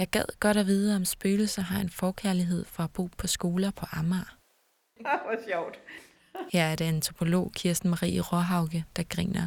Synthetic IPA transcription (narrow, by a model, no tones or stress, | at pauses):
jɑ̈ɪɡ̥ɛð̰ˠɡ̥ɒ̽ɾæʋiːð̞ˠəɒ̽msb̥øːl̩sɐɦɑ̈e̝nfɒːkʰæɐliɦe̝ð̞̰ˠfɒ̽æb̥o̝̰ːpʰɒ̽sɡ̥o̝ːlɐpʰɒ̽ʔɑ̈mɑː | sɒʊ̰d̥ | hæɐɐd̥eænt͡sʰʁo̝pʰo̝lo̝̰ːkʰiɐsd̥n̩mɑ̈ʁḭːəʁɒɦɑ̈ʊɡ̥əd̥ɑ̈ɡ̥ʁḭːnɐ